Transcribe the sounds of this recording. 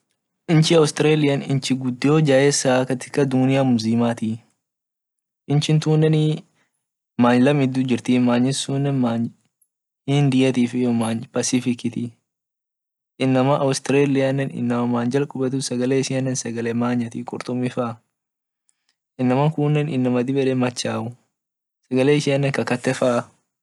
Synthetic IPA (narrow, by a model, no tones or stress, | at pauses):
ʔɪnt͡ʃɪɐwst̪ɪɾeːlɪjɐnɪ̰nt͡ʃɪɡʊd̪ːɪjoːd͡ʒaːʔɛsaːkɐt̪ɪ̥kːɐd̪unɪjamʊziːmaːt̪i | ʔɪnt͡ʃɪnt̪uːnːɛn | maːɲlɐmɪd̪uːd͡ʒɪɾt̪iːmaːɲːɪsuːnːɛnmaː | ɪnd̪ɪjɐt̪iːfɪjɔmaːɲpɐsɪfɪkɪt̪ɪ | ʔɪnːɐmɐʔɐwst̪ɪɾeːlɪjanːɛnɪ̰nːɐmɐmaːnd͡ʒɐlkʼʊbɛt̪ʊsɐɡɐleːɪʃɪɐnːɛnsɐɡɐlɛmaːɲːɐt̪ikʼʊ̰ɾt̪ʼʊmːɪfaː | ʔɪnːɐmɐŋkuːnːɛnɪnːɐmɐd̪ɪbɛᶑɛmɐt͡ʃːaːʔʊ | sɐɡɐleːɪʃɪɐnːɛŋkɐkɐt̪ːɛfaː